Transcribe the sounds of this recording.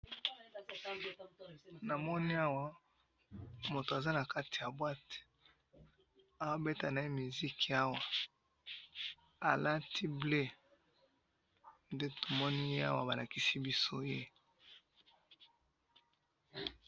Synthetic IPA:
na˨mɔ˦ni˦a˦wa˦ | mo˨to˨a˨za˦na˨ka˦ti˨ja˨bwa˦t | a˦wa˦be˦ta˨na˨e˦mi˨zi˦ka˦wa˨ | a˨la˦tʰi˦ble˦ | nde˦to˨mɔ˦ni˦je˦a̰˦wa̰˦ba˨la˨ki˦si˦bi˦so˦je˦

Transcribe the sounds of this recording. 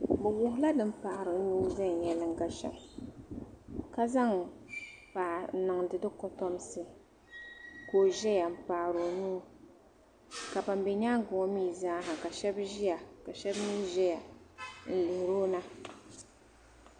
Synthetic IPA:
bɛ˨wʊ˨hʊ˦la˦dɨ˦m̩˦pa˨ʔa˨ɾɨ˨˦nuː˦za˦ŋ˨jɛ˨lɨ˦ŋ˦ɡa˦ʃɛ̰˨m | ka˦za˦ŋ | paː˨˦nɨ˨ŋdɨ˦dɨ˦kɔ˦tɔ˦msɨ˦ | ko˨ʒɛ˦ja˨m̩˨paː˨ɾo˨nuː˦ | ka˨ba˨mbɛ˨ɲaː˦ŋ˦ɡʊ˨ŋɔ˦miː˦˨zaː˦ɦa˨ka˨ʃɛ˦bʒi˦ja˨ka˨ʃɛ˦bniː˦ʒɛ˦ja˨n̩˨lɨ˨hɾoː˦na˦

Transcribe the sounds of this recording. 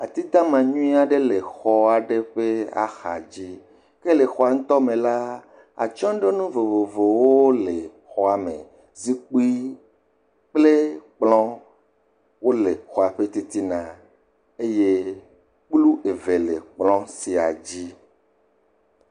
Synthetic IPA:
a˨t̪i˦t̪ã˦mã˨ɲũ˦ĩ˦a˨ɖe˦le˨xɔ˦a˨ɖe˦ɸe˦a̰˨xa˨d͡ʑi˦ | ke˦le˨xɔ˨a˨ŋ̩̃˦t̪ɔ˦mẽ˨la˦ | a̰˨t͡ʃɔ̃˦ɖe˦nũ˦vo˨vo˨vo˨wo˦le˨ | xɔ˨a˨mḛ̃˨ | zi˦k͡pu˦i˦ | k͡ple˦k͡plɔ̃˦ | wo˦le˨xɔ˨a˨ɸe˦t̪i˦t̪i˦nã˨ | e˦je˦ | k͡plu˦ʔe˨ve˨le˨k͡plɔ̃˦si˨a̰˨d͡ʑi˦

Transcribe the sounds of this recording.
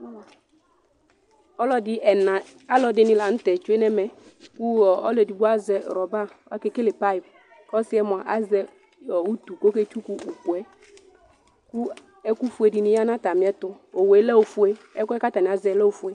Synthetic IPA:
ɔ˦lɔ˦dɪ˦ɛ˨nã˨ | a˦lɔ˨˦de˦nɪ̃˦la˨ŋ̩˦t̪ɛ˨t͡ʃu˦e˦nɛ˦mɛ˨ku˦ɔ˨ɔ˦lɛ˨di˨bu˦a˦zɛ˨ɾɔ˨ba˦a˦ke˦ke˦lɪ˨pa˦ɪ˨b | kɔ˦sɪ˦ɛ˦mʊ̃˨a˨ʔa˦zɛ˦ | ɔ˨wu˦t̪u˨ko˦ke˦t͡ʃu˦ku˦u˨ku˨ɛ˦ | ku˦ | ɛ˦ku˦fu˦e˨di˨nɪ̃˦ja˦nã˦t̪a˨mĩ˨˦ɛ˦t̪ʊ˦ | o˨wo˨e˨˦lɛ˦wo˨fu˦e˦ɛ˦ku˦ɛ˦ka˦t̪a˨nĩ˨a˨zɛ˨˦lɛ˦o˨fu˦e˦

